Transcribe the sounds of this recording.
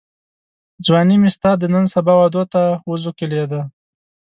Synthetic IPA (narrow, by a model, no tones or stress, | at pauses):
d͡zwɑnimɪst̪ɑd̪ənənsabɑwad̪ot̪awuzukeled̪a